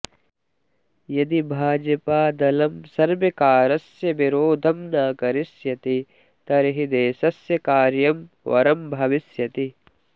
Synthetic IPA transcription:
jɐd̪ibʱaːd͡ʒɐpaːd̪ɐlɐmsɐɾʋɐkaːɾɐsjɐʋiɾoːd̪ʱɐmnaːkɐɾisjɐt̪i | t̪ɐɾɦid̪eːsɐsjɐkaːɾjɐm | ʋɐ̰ɾɐmbʱɐʋisjɐt̪i

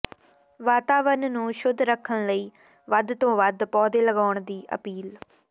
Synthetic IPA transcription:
ʋaːt̪aːʋəɾnnũːʃʊd̪ʱːɾəkʰːəɳləiː | ʋəd̪t̪õːʋəd̪pɔːd̪eːləɡaːʊɳd̪iːʔə̰piːl

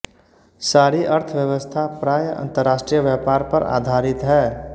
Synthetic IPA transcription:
saːɾiʔəɾt̪ʰəʋjəʋəst̪ʰapɾaːjəʔə̰̃nt̪əɾːaːsʈɾijəʋjaːpaːɾpəɾa̰ːd̪ʱaːɾɪt̪ɦɛː

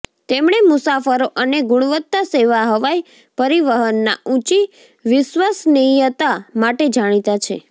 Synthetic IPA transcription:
t̪emɳ̃emʊsafəɾoʔəneɡʊɽ̃ʋət̪ːaseʋaɦəʋaj | pəɾiʋəɦənːaũt͡ʃi | ʋɪʃʋasnijət̪amaʈed͡ʒaɽ̃it̪at͡ʃʰḛ

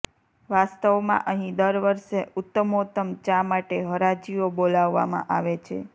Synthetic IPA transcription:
ʋast̪əʋmã̰ʔəɦĩd̪əɾʋəɾʃeʔʊt̪ːəmot̪əmt͡ʃamaʈeɦəɾad͡ʒiobolaʋːa̰mã̰ʔaʋet͡ʃʰḛ

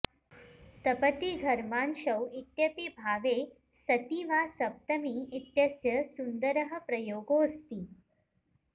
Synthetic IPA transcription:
t̪ɐpət̪iɡʱɐɾmaːnʃɐwit̪jɐpibʱaːʋe | sɐt̪iʋasɐp̚t̪əmiit̪jɐsjɐsund̪əɾəɦə̆pɾɐjoːɡoːst̪iː

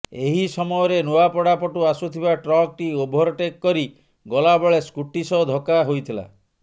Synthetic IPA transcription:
eɦisɔmɔjɔɾenoapɔɽapɔʈuasut̪ʰibaʈɾɔk̚ʈiobʱɔɾɔʈekːɔɾi | ɡɔlabɔɭeskuʈisɔd̪ʱɔkaɦojt̪ʰila̰

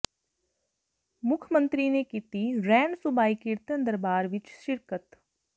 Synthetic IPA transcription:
mʊkʰəmə̃nt̪ɾinekit̪iɾɛːɳɖsʊbaːikɪɾt̪ənd̪əɾbaːɾʋɪt͡ʃʃɪɾkət̪

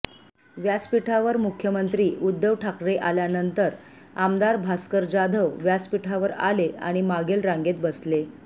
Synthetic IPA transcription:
ʋjaspiʈʰaʋəɾmukʰjəmənt̪ɾiːʔud̪ːəʋʈʰakɾeʔaljanənt̪əɾ | amd̪aɾbʱaskəɾd͡ʑad̪ʱəʋʋjaspiʈʰaʋəɾa̰lea̰ɽ̃imaɡelɾãŋɡet̪bəsle

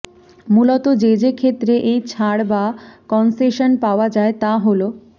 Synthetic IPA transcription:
mulot̪od͡ʑed͡ʑekʰet̪ːɾeʔejt͡ɕʰaɽbakɔnseʃonpaoad͡ʑaet̪aɦolo

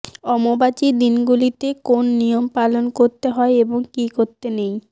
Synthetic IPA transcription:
ɔmobat͡ɕid̪inɡulit̪ekonːijompalonkoɾt̪eɦɔeeboŋkikoɾt̪enej

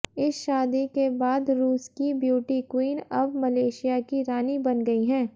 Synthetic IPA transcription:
ɪsʃaːd̪ikebaːd̪ɾuːskibjuːʈikwiːnɐbmɐleːʃijakiɾaːnibɐnɡɐiɦɛ̃ː

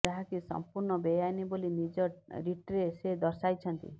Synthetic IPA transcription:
d͡ʒaɦakisɔ̰mpuɾɳɔbejajnibolinid͡ʒɔɾiʈɾesed̪ɔɾsajt͡ʃʰɔnt̪ḭ

